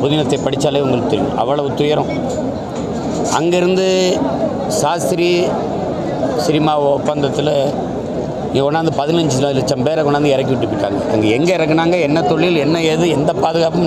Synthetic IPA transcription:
pʊðɪnɐt̪ːɐɪpɐɽɪt͡ʃːaːleːʊŋɡɐɭɯkɯt̪ːʊɾɪnʔɐ̰ʋːɐɭɐʋɯt̪ːʊjɐɾɐ̃ | ɐ̰ŋɡɐɪɾɯnd̪ɯ | saːst̪ɪɾi | sɪɾɪmaːɔpːaːnd̪ɐt̪ːɪl | ɪŋɡɐɔnːaːnd̪ɯpɐðɪnɐɲd͡ʒɯlɪlːɐt͡ʃːɐmpeːɾɐkɔnːaːnd̪ɯɪɾɐk̬ːiʋɪʈːɯpːɪʈːa̰ːŋɡɐɐ̰ŋɡɐɛŋɡɐɪɾɐkːɯnaːŋɡɐɛnːɐt̪ɔɭːɪlɛnːɐeːðɯɛnd̪ɐpaːðɯɣaːpɯm

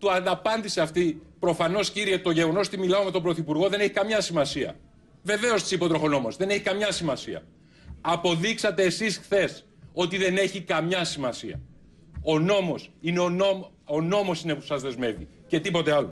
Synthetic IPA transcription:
t̪uɐnɐpɐnd̪iseɐft̪ipɾo̞fɐno̞sciɾie̞t̪o̞ʝe̞ɣo̞no̞sot̪imilɐome̞t̪o̞bɾo̞θipuɾɣo̞ðe̞neçi̥kɐmɲɐsimɐsiɐ̰ | ve̞ve̞o̞st̪i̥sipo̞t̪ɾo̞xo̞no̞mozðe̞neçikɐmɲɐsimɐsiɐ̰ | ɐpo̞ðiksɐt̪e̞ːsisxθe̞s | o̞t̪iðe̞ne̞çikɐmɲɐsimɐsiɐ̰ | ono̞mo̞sine̞onoono̞mo̞sinepu̥sɐzðe̞zme̞vi | ce̞t̪ipo̞t̪eɐlo

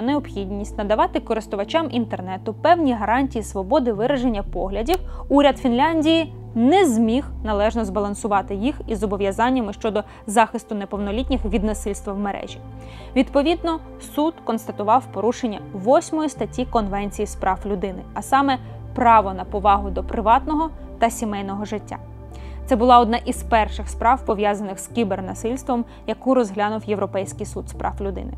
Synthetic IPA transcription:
neɔpxʲidʲnʲisʲtʲnɐd̪ɐʋɑt̪ɪkɔɾɪst̪ʊʋɐt͡ʃɑmʔint̪ernɛt̪ʊpɛwnʲiɦɐɾɑnʲtʲijisʋɔbɔd̪ɪʋɪɾɐʒenʲːɐpɔɦlʲɐdʲiwuɾʲɐd̪fʲinlʲɑnʲdʲiji | nɛzmʲixnɐlˠɛʒnɔzbɐlˠɐnsʊʋɑt̪ɪjixizɔbɔʋʲjɐzɑnʲːɐmɪʃt͡ʃɔd̪ɔ | zɑxɪst̪ʊnepɔwnɔlʲitʲnʲixʋʲid̪nɐsɪlʲst̪ʋɐwmeɾʔɛ̰ʒʲi | ʋʲid̪pɔʋʲid̪nɔ | sud̪kɔnst̪ɐt̪ʊʋɑwpɔɾuʃenʲːɐʋɔsʲmɔjist̪ɐtʲikɔnʋɛnʲt͡sʲijispɾʔɑwlʲʊd̪ɪnɪɐsɑmɛ | pɾɑʋɔnɐpɔʋɑɦʊd̪ɔpɾɪʋɑt̪nɔɦɔ | t̪ɐsʲimɛjnɔɦɔʒɪtʲːa̰ | t̪sɛbʊlˠɑɔd̪nɑʔizpɛrʃɪxspɾɑwpɔʋʲjazɐnɪxskʲibernɐsɪlʲst̪ʋɔm | jɐkuɾɔzɦlʲanʊwjeʋɾɔpɛjsʲkɪjsud̪spɾʔɑ̰wlʲʊd̪ɪ̰nɪ̰

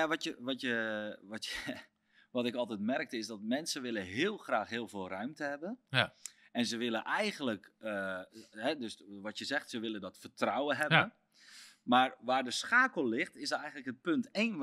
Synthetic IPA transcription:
jaʋɔtjəʋɔtjəʋɔtjə | ʋɔtɪkɔlˠtɛtmɛrk̚təɪsdɔtmɛnsəʋɪləɦɪːəlˠxraːxɦɪːlˠvɪːlˠrœɥmtəhɛbən | ɛnzəʋɪləʔɛjɣən̩ləkəɦɛdøsʋɔtjəzɛxtsəʋɪləndɔtfərtrawəɦɛbən | marʋaːrdəsxaːkəlˠlɪxtɪsɛjɣən̩tləkhət̚pønteːn

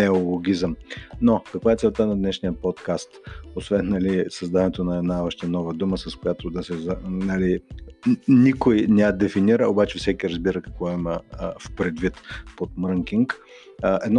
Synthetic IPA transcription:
ɛolˠoɡʲizəmnokɐkvaɛtsɛlˠt̪anɐd̪nɛʃnijəpot̪kast̪osvɛnːɐlisɐzd̪anɛt̪onɐɛd̪naɔʃt̪ɛnɔvəd̪uməsɐskojat̪od̪ɐsɛzɐnali | nikojnɛjad̪ɛfiniɾəobat͡ʃɛfsɛkiɾəzbiɾəkɐkvɔiməfpɾɛd̪vit̪pot̪mɾəŋkiŋk | əʔɛd̪n

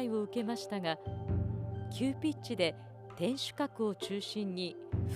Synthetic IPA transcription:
io̞ɯ̟ke̞maɕi̥t̪aɡa | kʲʰɨːpʲit͡ɕid̪e̞ | t̪ẽ̞ɰ̃ɕɨ̥kakɯ̟o̞t͡ɕɨːɕĩɲːi | ɸ

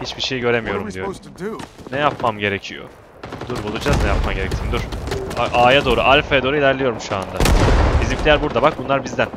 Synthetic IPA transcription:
hit͡ʃbiʃe̞jɟø̞ɾe̞mijo̞ɾumd̪ijo | nɛjapmamɟe̞ɾecʰijo̞̰ | d̪̥uɾbulˠud͡ʒaznɛjapmamɟe̞ɾɛct̪ʰimd̪uɾ̥aʔaːjad̪o̞ːɾuʔalʲfajad̪oːɾuilʲæɾlʲejo̞ɾumʃuand̪abizimflʲilʲæɾbuɾd̪abak̚bunlˠaɾbizd̪æn

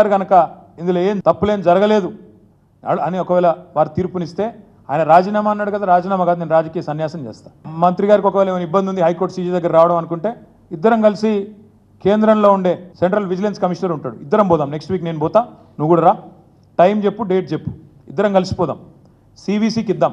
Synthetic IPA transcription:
aɾiɡɐnɐkɐ | ind̪loːeːmt̪ɐpːulend͡ʒɐɾɐɡɐle̞ːd̪ṵ | ɐniɔkɐʋɛːlɐʋaːɾut̪iːɾpunist̪e̞ː | a̰ːjɐnɐɾaːd͡ʒiːnaːmaɐnːaːɽukɐd̪aɾaːd͡ʒiːnaːmɐɡaːd̪uneːnuɾaːd͡ʒɐkijɐsɐnjaːsɐmd͡ʒeːst̪aːmɐnt̪ɾiɡaːɾikiɔkɐʋɛːlɐiʋɐnibːɐnd̪iund̪iɦɐjkoɾʈsiːd͡ʒiːd̪ɐɡːɐɾɐɾaːʋɐɽɐmɐnukuɳʈe̞ː | id̪ːɐɾɐmkɐlisi | ke̞ːnd̪ɾɐmlo̞ːuɳɖe̞ːseɳʈɾɐlʋid͡ʒɐlenskɐmiʂɐnɐɾuɳʈːaːɽuid̪ːɐɾɐmbɔːd̪aːmneksʈʋiːkne̞ːnubɔːt̪aː | nuʋkuːɽaɾaː | ʈɐjmd͡ʒe̞pːuɖeːʈ̚t͡ʃe̞pːu̥ | id̪ːɐɾɐmkɐlisi̥pɔːd̪a̰ːm | siːbiːsiːkid̪ːaːm

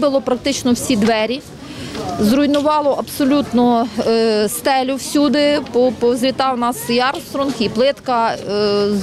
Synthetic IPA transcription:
bɪlˠɔpɾɐk̚t̪ɪt͡ʃnɔwsʲid̪ʋɛɾʲi | zrɔjnʊʋɑlˠɔʔɐbsɔlʲut̪nɔ | st̪ɛlʲʊwsʲud̪ɪpɔpɔzʲʋʲit̪ɑwnɑsjɑrst̪ɾɔnxiplˠɪt̪kɐ

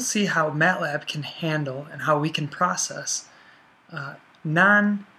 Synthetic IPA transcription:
lˠsiɦaʊmæʔlæb̥̚kʰɨ̃nhæ̃ndˡl̩ˠə̃nɦaʊwikʰɨ̃n̩pʰɹ̥ɑsɛs | nɑ̃n

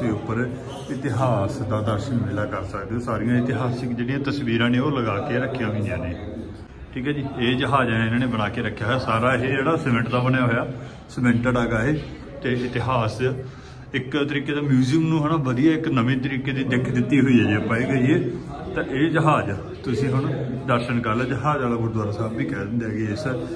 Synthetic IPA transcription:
eːʊpːəɾ | ɪt̪ɪɦaːsd̪aːd̪əɾʃənmɪlaːkəɾsəkd̪eːõːsaːɾijãːɪt̪ɪɦaːsɪkd͡ʒeːɽijãːt̪əsʋiːɾãːneːoːləɡaːkeːɾəkʰːjãːɦĩːnijãːneː | ʈʰiːkɦɛːd͡ʒiːeːd͡ʒəɦaːd͡ʒneɪnãːneːbəɽ̃aːkeːɾəkʰːjaːɦojaːsaːɾaːɦed͡ʒeːɽaːsɛmə̃ɳʈd̪aːbənjaːɦoːjaː | smɛ̃ɳʈəɽaːɡaːɦeː | t̪eːɪt̪ɪɦaːs | ɪkt̪əɾiːkeːd̪aːmjuːzijəmnũːɦənãːʋəd̪ijaːɪknəʋẽːt̪̬əɾiːkeːd̪iːd̪ɪkʰːd̪ɪt̪ːiːɦoiːaːɛpaːiːɡəieː | t̪ãːʔeːd͡ʒəɦaːd͡ʒ | t̪ʊsĩːɦʊɳd̪əɾʃənkəɾlɛːd͡ʒəɦaːd͡ʒaːlaːɡʊɾd̪waːɾaːsaːbbiːkɛːd̪ɪnd̪jaːɡɪaːɪsə

